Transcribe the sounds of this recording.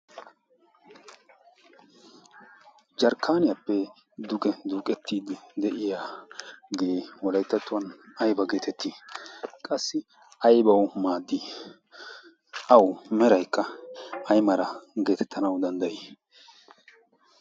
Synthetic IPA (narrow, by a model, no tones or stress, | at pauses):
d͡ʒɐɾkʰːaːnɪjɐpːɛ | d̪ʊkʼɛd̪uːkʼɛt̪ːiːd̪ɪd̪ɛʔɪja | ɡe̞wɔlɐjt̪ːɐt̪ːʊwɐnɐjbɐɡeːt̪ʰɛt̪ːiːkʼɐsːɪ | ɐjbɐwmaːd̪ːi | ʔɐwmɛɾɐjkːɐɐjmɐɾɐɡe̞ːt̪ʰɛ̥t̪ʰːɐnɐwd̪ɐnd̪ɐjiː